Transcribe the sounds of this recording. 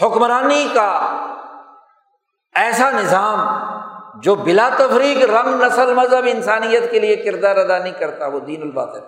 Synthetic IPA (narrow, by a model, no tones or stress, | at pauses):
hʊkmɾaːnika | ɛːsanɪzaːm | d͡ʒoːbɪlaːt̪ɐfɾiːkɾɐ̃ŋɡnɐsəlmɐzɦəbɪnsaːnijət̪keliekɪɾd̪aːɾɐd̪anɐɦĩkɐɾt̪aʋoːd̪iːnʊlba̰ːt̪ɦɛː